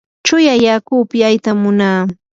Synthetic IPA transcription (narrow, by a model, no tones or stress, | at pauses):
t͡ʃʊjajakuːpɪajt̪amʊnaː